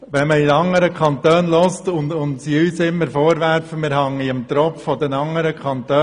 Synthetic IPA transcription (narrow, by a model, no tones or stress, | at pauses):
ʋɛnməinɑŋːəɾəkʰɑnt̪øːnlɔstʊnʊndsiyːsɪmːəɾfɔːɾʋærfəmɪːɾɦɑŋːiəmt̪ɾɔpffɔd̪ɛnɑŋːəɾəkʰɑnt̪øː